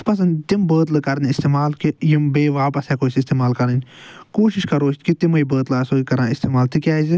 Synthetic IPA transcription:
pɐs̬ɐnd̪ʲt̪imbəːt̪lɨkɐɾnʲist̪eːmaːlkijimbeːʋaːpɐsɛːkoːsist̪eːmaːlkɐɾninʲkoːʃiʃkɐɾoːʃt̪kit̪imɐjbəːt̪laːsoːikɐɾãːist̪eːmaːlt̪ikʲaːzi

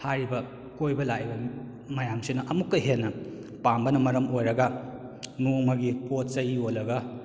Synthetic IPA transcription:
haɾibɐ | kojbɐlaibɐ | mɐjamsinɐʔɐmukːɐɦenːɐ | pambɐnɐmɐɾɐmojɾɐɡɐ | nuŋmɐɡipot̚t͡ʃɐjiolːɐɡɐ

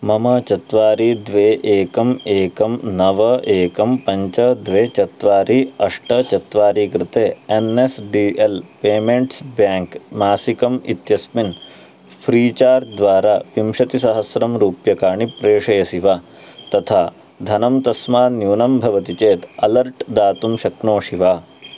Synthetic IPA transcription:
mɐmɐt͡ʃɐt̪ʋaːɾiːd̪ʋeːʔeːkɐmeːkɐmnɐʋɐʔeːkɐmpɐɲt͡ʃɐd̪ʋeːt͡ʃɐt̪ʋaːɾiɐʂʈɐt͡ʃɐt̪ʋaːɾiːkɾɪt̪eːenesɖiːelpeːmeɳʈsbjaːŋkmaːsikɐmḭt̪jɐsmin | pʰɾiːt͡ʃaːɾd̪ʋaːɾaːpimʃɐt̪isɐɦɐsɾɐmɾuːpjɐkaːɳipɾeːʂɐjɐsiʋaː | t̪ɐt̪ʰaː | d̪ʱɐnɐmt̪ɐsmaːnjuːnɐmbʱɐʋɐt̪it͡ʃeːt̪ɐlɐɾʈd̪aːt̪umʃɐknoːʃiʋaː

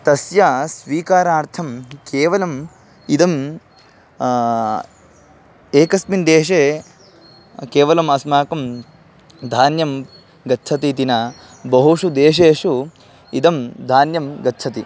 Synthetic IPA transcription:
t̪ɐsjasʋiːkaːɾaːɾt̪ʰɐmkeːʋɐlɐm | id̪ɐm | eːkɐsmind̪eːʃeː | keːʋɐlɐmɐsmaːkɐm | d̪ʱaːnjɐm | ɡɐtːt͡ʃʰɐt̪it̪inɐ | bɐɦuʂud̪eːʃ̬eːʂu | id̪ɐmd̪ʱaːnjɐmɡɐtːt͡ʃʰɐt̪i

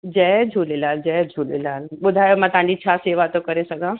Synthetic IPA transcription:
d͡ʑɛːd͡ʒʱuːlelaːld͡ʑɛːd͡ʑʱuːlelaːlɓʊd̪ʱaːjomãːt̪ãːɲd͡ʑit͡ɕʰaːseːʋat̪okɐɾesɐɡʱãː

